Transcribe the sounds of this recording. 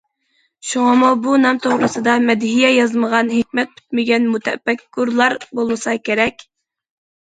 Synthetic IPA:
ʃuŋɑmubunɑmt̪ʰoʁɾɨsɨd̪ɑmɛd̪ɦijɛjɑzməʁɑnɦɪkʲmɛt̪̚pʰy̥t̪mɪɡʲɛnmut̪ʰɛ̰bɛkːuɾlˠɑɾbolˠmɨsɑkʲʰeɾɛkʲ

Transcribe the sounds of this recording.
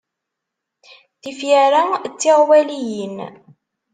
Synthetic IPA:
θifjæɾat͡sːɪʁwælijən

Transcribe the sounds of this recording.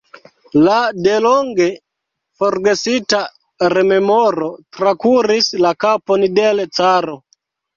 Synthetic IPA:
ladeloŋɡe | foɾɡesita | ɾe̞me̞moɾo̞tɾakuɾislakapondelt͡saɾo

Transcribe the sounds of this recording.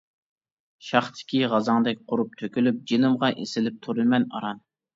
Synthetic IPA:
ʃɑχt̪ʰɪ̥kʲiʁɑzɑŋd̪ɛkʲqʰʊɾup̚t̪ʰøkʲylyp̚d͡ʒenɨmʁɑʔesɪlɪp̚t̪ʰuɾɨlmɛnɑ̰ɾɑn

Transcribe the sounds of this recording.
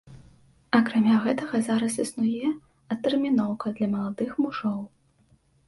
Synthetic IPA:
ɐkɾamʲaɣɛt̪ɐɣɐzaɾɐs̬isnujɛ | ɐt̪ːɛrmʲinɔwkɐd̪lʲɐmɐlˠad̪ɨxmuʐɔw

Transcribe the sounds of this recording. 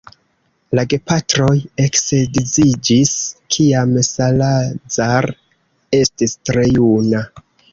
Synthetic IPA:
laɡe̞patɾo̞je̞kse̞dizid͡ʒiskʰiamsalazaɾ | e̞stistɾe̞juna

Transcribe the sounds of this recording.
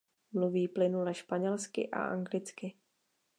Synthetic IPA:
mluviːplɪnulɛʃpaɲɛlskɪ̰ʔa̰ʔa̰ŋɡlɪt͡skɪ

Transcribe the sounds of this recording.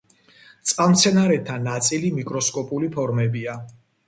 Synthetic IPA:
t̪sʼqʼamt̪sʰɛnaɾɛt̪ʰanat̪sʼilimikʼɾɔskʼɔpʼulipʰɔɾmɛbia

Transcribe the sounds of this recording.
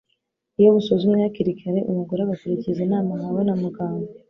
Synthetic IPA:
ijo̞musozumejaciɾikʰaɾe̞ʔumuɡuɾaβakuɾicizinaːmahawonamuɡaːmɡo

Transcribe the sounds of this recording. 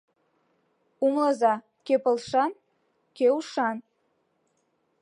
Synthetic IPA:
umləzɑ | kepəlˠʃɑn | keuʃɑn

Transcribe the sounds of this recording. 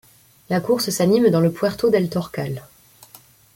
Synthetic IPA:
lakuʁsəsanimd̪ɑ̃ləpwɛʁt̪od̪ɛlt̪ɔʁkal

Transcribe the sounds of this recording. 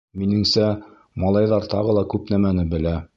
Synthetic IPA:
minɘ̆ŋsæ | mɑlˠɑjðɑɾt̪ɑʁɤ̆lˠɑkʉpnæmænɘbɘ̆læ

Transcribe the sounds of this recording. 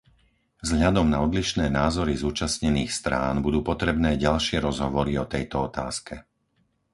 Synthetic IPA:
vzɦʎad̪ɔmnaɔd̪liʃnɛːnaːzɔɾizuːt͡ʃasɲɛniːxst̪ɾa̰ːnbud̪uːpɔt̪ɾɛbnɛːɟalʃɪɛɾɔzɦɔʋɔɾiɔt̪ɛjt̪ɔɔt̪aːskɛ

